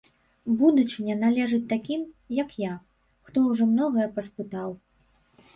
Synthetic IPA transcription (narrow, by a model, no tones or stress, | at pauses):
bud̪ut͡ʂɨnʲɛnalʲɛʐɨt͡sʲt̪akʲimjɐkja | xt̪ɔwʐɔmnɔɣɐjɛpɐspɨt̪aw